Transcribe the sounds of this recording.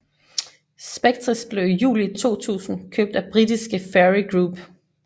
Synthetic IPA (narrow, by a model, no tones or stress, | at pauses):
sb̥eɡ̥̚t͡sʰʁisb̥le̝ʊjṵːlit͡sʰo̝̰ːt͡sʰṵːsn̩kʰøːb̥̚d̥æb̥ʁidisɡ̥əfeʁiɡ̥ʁuːb̥